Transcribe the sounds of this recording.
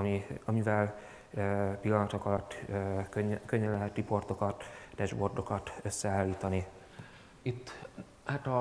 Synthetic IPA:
miɒmivɛlː | pilːɒnɒt̪okɒlɒt̪ːkøɲːkøɲːɛnlɛɦɛt̪ripo̞rt̪o̞kɒt̪d̪ɛʒbo̞rd̪o̞kɒt̪øsːɛaːlːiːt̪ɒni | it̪ː | haːt̪ɒ

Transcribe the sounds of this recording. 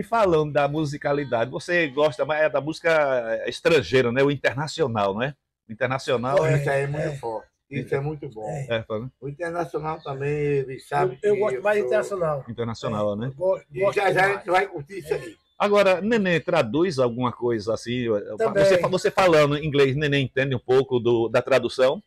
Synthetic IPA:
ifalɐ̃nd̪ʊd̪ɐmuzikalid̪ad̪ɪvoseɡɔʃt̪ɐmaɛd̪ɐmuzikɐɛeʃt̪ɾɐ̃ʒejɾɐnɛʊĩt̪eɾnasionawñɛ | ʊĩt̪eɾnasionawikɐɛmũj̃t̪ʊfɔɾt̪ɪ̥isʊɛmũj̃t̪ʊbõɛfɐlʊĩt̪eɾnasionawt̪ɐ̃bẽj̃elɪsabɪkewɡɔsʊmajzĩt̪eɾnasjonawĩnt̪eɾnasionawnɛ̃boɔʒaʒaɛ̃vaj̃kuɾt̪isɐi | aɡɔɾɐnẽnẽt̪ɾad̪ujzawɡũmɐkojzɐasĩt̪ɐ̃avossefavosefalɐ̃d̪ʊĩɡlejsnẽnẽẽt̪ẽnd̪ɪũpowkʊd̪ʊd̪ɐt̪ɾad̪usɐ̃w̃

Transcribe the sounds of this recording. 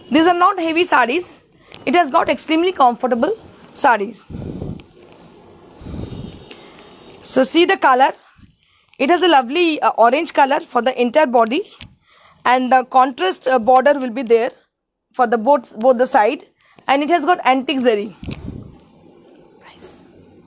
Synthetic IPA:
d̪iːzaːɾnɔːʈheʋisaːɖiz | ɪʈhæzɡɔːʈeksʈɾĩːmlikɔ̃ɱfəɾʈəbəlsaːɖiz | sosiːd̪əkʌləɾ | ɪʈhæzəlʌʋliʔɔːɾẽnd͡ʒkʌləɾfɔɾd̪əʔɪ̃ɳʈajəɾbɔːɖi | æ̃ɳɖd̪əkɔ̃ɳʈɾəsʈbɔːɾɖəɾʋɪlbid̪eːɾ | fɔɾd̪əboːboːt̪̚d̪əsaɪɖ | ɛ̃ɳɖɪʈhæzɡɔːʈæ̃ɳʈɪkzeɾi | s

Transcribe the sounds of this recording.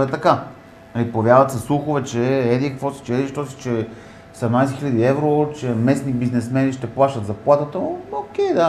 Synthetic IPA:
ɛt̪ɐka | nɐlipovjaɾvət̪sɐslˠuxʊvɛt͡ʃɛɛd̪ikɐkvɔsi̥t͡ʃɛɛd̪iʃt̪ɔsi̥t͡ʃɛ | sɛmnajsɛxiʎʲad̪iɛvɾot͡ʃɛmɛsnibiznɛsmɛniʃt̪ɛplˠaʃt̪ət̪zɐplˠat̪ət̪əok̟ɛjd̪a

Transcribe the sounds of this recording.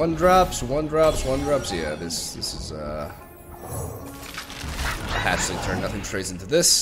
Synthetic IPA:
ʌ̃ndɹɑpswʌ̃ndɹɑpswʌ̃ndɹɑpsjæðɪsðɪ̰sɨzʌ | pʰætsɨ̃tʰɜ̃˞nːʌθɪ̃ŋtʰɹ̥eɪsɪ̃ntʉðɪs

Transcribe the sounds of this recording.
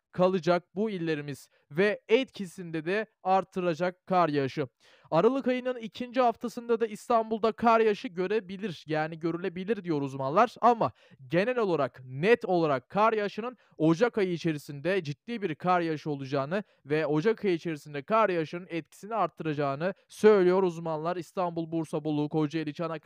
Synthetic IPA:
kʰalˠɯd͡ʒak̚builʲːe̞ɾimiz̥ | vɛɛt̪cʰisind̪ɛd̪ɛaɾt̪ʰːɯɾad͡ʒakʰːaɾjaʃɯ | aɾalˠɯkajɯnɯnicʰind͡ʒihaft̪ʰasɯnd̪ad̪aist̪ʰanbulˠd̪akʰaɾjaʃɯɟø̞ɾebilʲiɾjaːniɟø̞ɾylʲe̞bilʲiɾd̪ijo̞ɾuzmanlˠaɾ̥ama | ɟe̞nɛlʲo̞lˠaɾaknɛt̪o̞lˠaɾakʰːaɾjaʃɯnɯn | o̞d͡ʒakajɯit͡ʃʰe̞ɾisind̪ɛd͡ʒit̪ːiːbiɾkʰaɾjaʃɯo̞lˠud͡ʒaːnɯ | vɛo̞d͡ʒakʰajɯit͡ʃʰe̞ɾisind̪ɛkʰaɾjaʃɯnɯnɛt̪̚cʰi̥siniaɾt̪ʰːɯɾad͡ʒaːnɯsø̞jlʲijo̞ɾuzmanlˠaɾist̪ʰanbulˠbuɾsabolˠuːkʰo̞d͡ʒajelʲit͡ʃana

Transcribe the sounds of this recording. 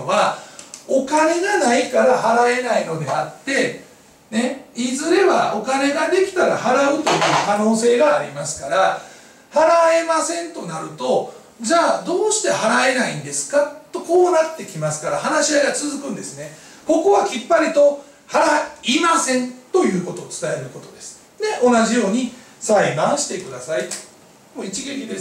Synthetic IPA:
oβa | o̞kane̞ɡanaikaɾahaɾae̞naino̞d̪e̞at̪ːe̞ | ne̞izɨɾe̞βa̰o̞kane̞ɡad̪e̞kʲi̥t̪aɾa̰haɾaɯ̟t̪o̞jɯ̟ːkano̞ːse̞ːɡaːɾʲimasɨ̥kaɾa | haɾae̞masẽ̞nt̪o̞naɾɯ̟t̪o̞ | d͡ʑaːd̪o̞ːɕi̥t̪e̞haɾae̞naĩnd̪e̞sɨ̥kat̪ːo̞ko̞ːnat̪ːe̞kʲimasɨ̥kaɾa̰hanaɕiaɡat͡sɨzɨkɯ̟̃nd̪e̞sɨne̞ | ko̞ko̞βakʲipːaɾʲit̪o̞ | haɾaimasẽ̞nt̪o̞jɯ̟ːko̞t̪o̞ːt͡sɨ̥t̪ae̞ɾɯ̟ko̞t̪o̞d̪esɨ̥ | ne̞ʔo̞naʑijo̞ːɲ̟i | saibãɰ̃ɕi̥t̪e̞kɯ̟d̪asai | moit͡ɕiɡe̞kʲid̪e̞s

